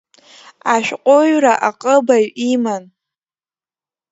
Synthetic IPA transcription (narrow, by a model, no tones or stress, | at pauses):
aʃᶣqʷʼoɥraʔaqʼəbaɥiman